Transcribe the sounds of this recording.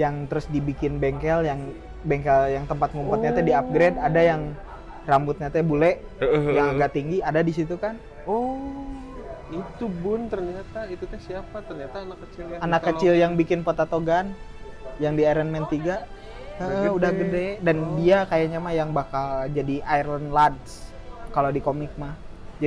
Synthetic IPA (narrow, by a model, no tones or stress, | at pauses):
jaŋt̪əɾʊsdibikɪnbɛŋkɛljaŋ | bɛŋkɛljaŋt̪əmpat̪̚mumpat̪̚ɲat̪adiap̚ɡɾedadajaŋ | rambʊt̪̚ɲat̪ɛbulɛ | jaŋaɡaʔt̪iŋɡiadadis̬it̪ukan | ɔ | it̪ubʊnt̪ərɲat̪ait̪ukasiapat̪ərɲat̪aːnakːət͡ʃɪljaanakkːət͡ʃɪljaŋbikɪnpot̪at̪oɡanjaŋdiaɾɛnmɛnt̪iɡa | əəudaɡɡədɛdandiakajaɲamajaŋbakald͡ʒadiʔajərlənlads | kalodikomɪk̚mahd͡ʒai